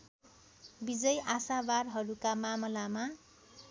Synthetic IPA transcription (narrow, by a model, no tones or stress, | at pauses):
bid͡zʌjasabarɦʌɾukamamʌlama